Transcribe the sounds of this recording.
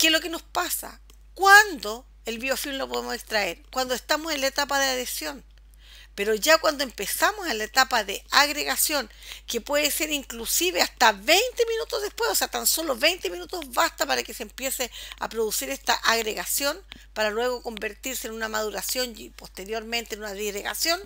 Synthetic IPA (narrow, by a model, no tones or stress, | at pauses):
kelo̞keno̞spasa̰ | kwand̪o̞ | elβio̞fillopo̞ðemosekst̪ɾaeɾkwand̪oe̞st̪amosenlaet̪apaðeaðe̞sjo̞n | pe̞ɾo̞ʝakwand̪oempe̞samosenlaet̪apaðeaɣɾeɣasjo̞ŋkepweðese̞ɾiŋklusiβeaht̪aβe̞jnt̪eminut̪ozðepwe̞soseat̪anso̞lo̞βejnt̪eminut̪o̞zβast̪apaɾakesempje̞sea̰pɾoðusiɾest̪aʔaɣɾeɣasjo̞npaɾalwe̞ɣo̞ko̞mbe̞ɾt̪iɾsenunamaðuɾasjo̞nipo̞st̪e̞ɾjo̞ɾme̞nt̪enunaðiɣɾeɣa̰sjo̞n